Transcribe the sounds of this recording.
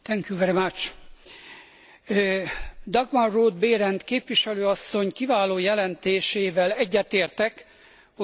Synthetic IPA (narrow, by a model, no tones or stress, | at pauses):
t̪ɛŋkjuvɛɾemat͡ʃ | d̪ɒɡmɒlroːd̪beːɾɛnt̪keːpʋiʃɛløːɒsːo̞ɲkivaːloːjɛlɛnt̪eːʃeːvɛlɛɟːɛt̪eːrt̪ɛk | ho